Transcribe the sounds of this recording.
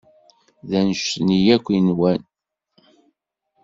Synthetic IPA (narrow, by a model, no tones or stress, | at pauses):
ðænʃnijækʷːinwæn